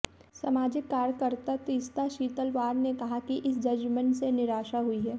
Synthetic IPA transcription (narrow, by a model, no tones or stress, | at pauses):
samaːd͡ʒɪkːaːɾjkəɾt̪at̪iːst̪aʃiːt̪əlʋaːɾnekɐɦakiʔɪsd͡ʒɐd͡ʒmənsenɪɾaːʃaɦʊiɦɛː